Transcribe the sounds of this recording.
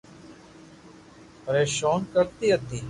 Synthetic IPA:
pəɾeːʃoːnkəɾt̪iːət̪iː

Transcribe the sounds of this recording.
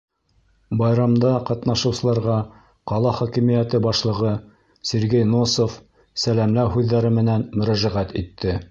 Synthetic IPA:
bɑjɾɑmd̪ɑqɑt̪nɑʃɤ̆wsɤ̆lˠɑɾʁɑ | qɑlˠɑχɒkimijæt̪ɘbɑʃlˠɤ̆ʁɤ | sʲĕɾɡejnosof | sælæmlæwɦʉðːæɾɘmɘ̆nænmɵ̆ɾæʒæʁæt̪it̪ʰːɘ

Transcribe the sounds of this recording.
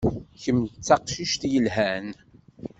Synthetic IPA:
çəmt͡sːɑqʃiʃt̪jəlɦæn

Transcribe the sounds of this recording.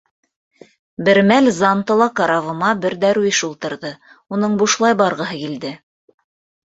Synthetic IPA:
bɘ̆ɾmælzɑnt̪ɤ̆lˠɑkɑɾɑvɤ̆mɑbɘ̆ɾd̪æɾujʃulˠt̪ɤ̆ɾðɤ | unɤɴbuʃlˠɑjbɑɾʁɤ̆ɦɤkild̪ɘ

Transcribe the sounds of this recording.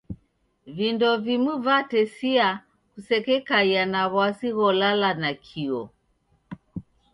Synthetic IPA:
vindɔvimuvatɛsia | kusɛkɛkajanaβwasiɣɔlalanakʰiɔ

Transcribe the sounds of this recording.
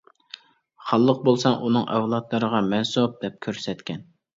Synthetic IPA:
χɑlˠːəq̚bolˠsɑŋʔunɨŋʔɛwlˠɑt̪lˠɨɾəʁɑmɛnsup̚d̪ɛp̚kʲʰøɾsɛt̪kʲʰɛn

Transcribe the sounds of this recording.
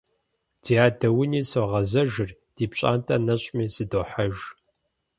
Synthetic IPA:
d̥iːaːdɐwʊniːsoʁɐzɐʒɨrd̥iːpɕʼa̰ːntʰʼɐnɐɕʼmiːzɨdoːħaʒ

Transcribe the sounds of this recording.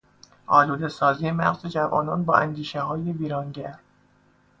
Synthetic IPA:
ʔɒːluːd̪esɒːziːjemæ̰ɣzed͡ʒævɒ̰ːnɒːnbɒ̰ːʔænd̪iːʃehɒːjeviːɾɒːnɟæɾ

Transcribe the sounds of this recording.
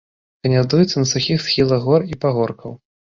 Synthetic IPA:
kɐnʲad̪ujɛt̪sɐnɐsuxʲixsxʲilˠɐɣɣɔripaɣɔrkʰɐw

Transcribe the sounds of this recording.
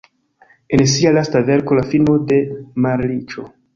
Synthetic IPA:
e̞nsialastave̞ɾko̞lafino̞de̞maɾlit͡ʃo̞̰

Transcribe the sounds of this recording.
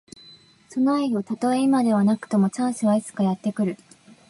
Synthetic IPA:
so̞noaio̞t̪at̪o̞e̞imad̪e̞β̞anakɯ̟̥t̪o̞mo̞t͡ɕãɰ̃sɨβait͡sɨ̥kajat̪ːe̞kɯ̟ɾɯ̟

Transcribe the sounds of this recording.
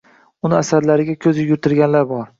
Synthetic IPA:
ʊnɪasaɾlaɾɪɡʲakʲʰɵzɪjʊɾt̪ʰɪɾɡʲanlaɾbɒɾ

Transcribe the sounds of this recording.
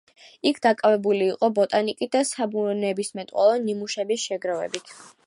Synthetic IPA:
ikʰd̪akʼavɛbuliːqʼɔbɔt̪ʼanikʼid̪asabuɔnɛbismɛt̪ʼqwɔlˠɔnimuʃɛbisʃɛɡɾavɛ̰bit̪ʰ

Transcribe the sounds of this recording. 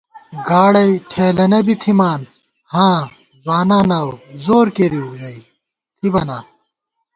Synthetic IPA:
ɡaːɽɐjʈʰeːlɐnɐbit̪ʰimaːn | hãː | zwaːnaːnawzoːɾkeɾiɾɐi | t̪ʰibɐnaː

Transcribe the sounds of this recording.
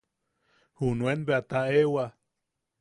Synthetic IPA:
hunwenbeat̪aewa

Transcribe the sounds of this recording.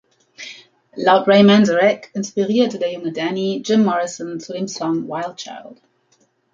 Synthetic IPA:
laʊtɹeɪmæ̃ndəɹɛkɪ̃nspɪɹiəd̚tʰədeʊ̃ŋədænid͡ʒɪ̃mːɔɹɪsə̃nsulɪ̃msɔ̃ŋwaɪlˠd̚t͡ʃʰa̰ɪlˠd̥

